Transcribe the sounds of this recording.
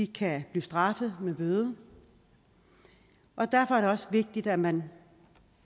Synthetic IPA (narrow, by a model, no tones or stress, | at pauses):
ikʰæb̥liːsd̥ʁɑ̈fəð̞̩ˠmeb̥øðˠə | ʔɒ̽d̥æɐfɒ̽æɐɾ̥eɒ̽sʋe̝ɡ̥̚d̥id̥æmæn